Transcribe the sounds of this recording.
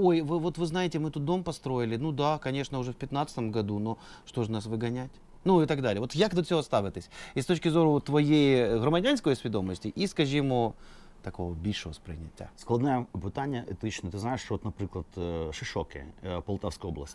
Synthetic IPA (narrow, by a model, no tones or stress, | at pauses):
o̞jvɨvo̞t̪vɨznajɪtʲɪmɨt̪ut̪̚d̪o̞mpɐst̪ɾo̞ɪlʲɪnud̪akɐnʲe̞ʂnəʊʐɛfpʲɪt̪nat̪sə̥t̪əmɡɐd̪uno | ʂt̪o̞ʐɨnasvɨɡɐnʲætʲ | nuɪt̪aɡd̪alʲɪjəvot̪jakd̪ut̪fʲsʲoɐst̪avʲɪt̪əsʲist̪ot͡ɕkʲɪzoɾʊt̪vɐjejɣɾəmɐdʲanskəjsʲvʲɪd̪o̞məsʲtʲɪʔiskɐʐɨjɪmu | t̪ɐko̞vəbʲiʂɨvəspɾʲɪ̰nʲɪt̪ʲːa̰sklˠɐd̪najəpɨt̪anʲɪjəʔɛt̪it͡ɕnət̪ɨznaɪʂot̪nɐpɾʲiklˠət̪ʂɨʂokʲɪ̰pɐlˠt̪afskəjoblˠə̰sʲtʲ